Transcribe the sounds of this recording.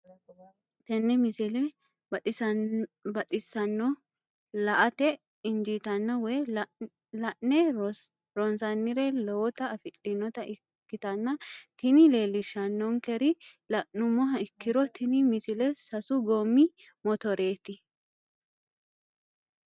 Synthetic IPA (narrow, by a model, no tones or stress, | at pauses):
t̪ɛnːɛmɪsɪlɛ | bɐt̪ʼɪsːɐnːɔ | lɐʔɐt̪ɛ | ɪnd͡ʒit̪ɐnːɔwɛj | lɐʔnɛ | ɾɔnsɐnːɪɾɛlɔwɔt̪ɐːfɪlʼːɪnːɔt̪ɐʔɪ | kːɪt̪ɐnːɐt̪ɪnɪleːlɪʃɐnːɔŋkɛɾɪlɐʔnʊmːɔɦɐɪkːɪɾɔt̪ɪnɪmɪsɪlɛsɐsʊɡomːɪ | mɔt̪ɔɾe̞ːt̪ɪ